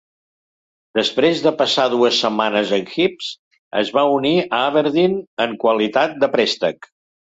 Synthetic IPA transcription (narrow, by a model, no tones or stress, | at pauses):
d̪əspɾezðəpəsaðuəsːəmanəzəŋxips | ə̰zβauniəaβəɾðinəŋkwəlit̪at̪̚d̪əpɾɛst̪ək